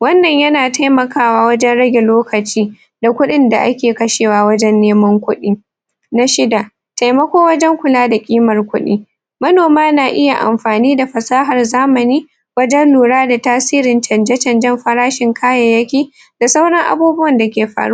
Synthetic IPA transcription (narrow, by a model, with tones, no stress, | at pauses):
wɐ˦nːɐ˨ɲjɐ˦naː˨tʰa˦jmɐ˨kaː˦waː˦wɐ˦d͡ʒɛ˦nɽɐ˦ɡʲe˨loː˦kɐ˨t͡ʃiː˦ | da˨kʷʊ˦ɗɪ˦nda˨ʔa˦kʲeː˨kɐ˦ʃeː˨waː˦wɐ˦d͡ʒɛ˦nːeː˦mɐ˦ŋkʷʊ˦ɗiː˦ | na˦ʃɪ˦da˨ | ta˨jmɐ˦kʷoː˦wɐ˦d͡ʒɛ˦ŋkʷʊ˨laː˦da˨kʲʼiː˦mɐ˨rkʷʊ˦ɗḭː˦ | mɐ˦noː˨maː˦naː˨ʔɪ˦ja̰˨ʔa̰˨mɸaː˨niː˦da˨ɸɐ˨saː˦ɦɐ˨rzaː˦mɐ˨niː˦ | wɐ˦d͡ʒɛ˦nluː˨ɽaː˦da˨taː˦siː˦ɾɪ˨nt͡ʃɐ˨nd͡ʒɛ˦t͡ʃɐ˨nd͡ʒɛ˦mɸɐ˦ɾaː˦ʃɪ˨ŋkʰaː˦ja˨jɐ˦kʲiː˦ | d̥a˨sa˦wɽɐ˦ŋʔa̰˨buː˦bʊ˦wɐ˨nda˨kʲeː˨ɸa̰ː˨ɽu˦